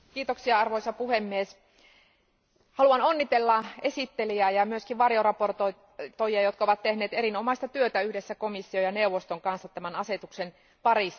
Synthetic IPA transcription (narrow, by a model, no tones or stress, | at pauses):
kiːt̪oksiɑɑrʋoisɑpuhemːies | hɑluɑnonːit̪elːɑesit̪ːeliæːjɑmyøskiʋʋɑrjorɑport̪o | t̪ojiɑjot̪kɑoʋɑt̪tehneːt̪eɾinomɑist̪ɑt̪yøt̪æyhdesːækomisːiojɑneuʋːˑost̪oŋkɑnsːɑt̪ːæmænɑset̪uksen | pɑris